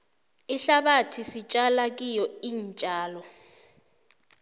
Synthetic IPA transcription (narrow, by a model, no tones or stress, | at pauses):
iɬaɓatʰisit͡ʃʼalak̬ʼijɔiːnt͡ʃʼaːlɔ